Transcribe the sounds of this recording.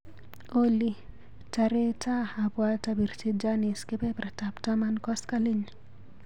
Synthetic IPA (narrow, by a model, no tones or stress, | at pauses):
oli | taɾetahapwatabiɾt͡ʃid͡ʒaniskepɛpɾataptamankɔskaliɲ